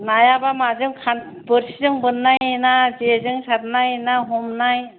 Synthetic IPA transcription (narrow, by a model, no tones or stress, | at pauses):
najabamazɯŋkʰan | bɯɾsizɯŋbɯnːajjnazezɯŋsaɾnajnaɦɔmnaj